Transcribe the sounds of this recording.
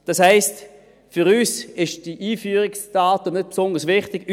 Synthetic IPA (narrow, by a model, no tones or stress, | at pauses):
d̥ɑshɛɪst | fʏʁyːsɪʃd̥iʔiːfyːʁɪksd̥aːtənøt̚psɔndəʁsvɪχtɪɡ̥